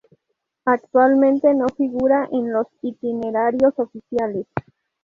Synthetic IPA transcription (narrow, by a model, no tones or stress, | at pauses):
akt̪walmẽnt̪eno̞fiɣuɾaʔenlosit̪ineɾaɾjosofisjales